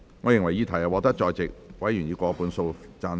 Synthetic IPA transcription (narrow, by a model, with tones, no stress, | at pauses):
ŋɔː˨˧jɪ˨ŋwɐ˨˩jiː˧t̪ʰɐ˨˩jɐ˨˩wɔ˨˧k̚t̪ɐ˥k̚t͡ʃɔː˧jt͡sɪ˨k̚wɐ˨˥jyː˨˩njiː˨˧kɔː˧puː˨˥nso˧wt͡saː˧n